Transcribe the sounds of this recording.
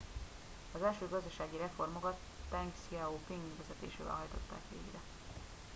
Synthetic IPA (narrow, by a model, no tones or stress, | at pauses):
ɒzɛlʃøːɡɒzd̪ɒʃaːɡiɾɛfo̞rmo̞kɒt̪ːɛŋksiaoːpiŋɡʋɛzɛt̪ḛːʃḛːvɛ̰lɦɒjt̪o̞̰t̪ːaːkʋḛːɡrɛ